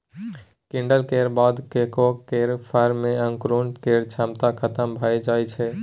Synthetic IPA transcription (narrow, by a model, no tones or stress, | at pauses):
kĩɳɖəlkeɾbad̪kekokeɾpʰəɾmeə̃ŋkɾunkeɾt͡ʃʰamt̪akʰət̪əmbʱajd͡ʒajt͡ʃʰɛ